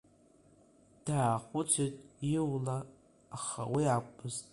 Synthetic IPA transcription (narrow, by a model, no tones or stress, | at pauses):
d̥aːχʷʊt͡ʃʷʰɪtʼiwlaː | χa̰wiakʷʼʊztʼ